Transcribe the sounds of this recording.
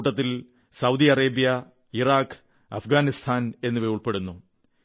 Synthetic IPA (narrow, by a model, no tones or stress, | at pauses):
ʈːɐt̪ːil | sɐwd̪iɐreːbijɐ | iraːk | ɐfɡaːnist̪ʰaːne̞nːɨʋejuɭpe̞ɽunːu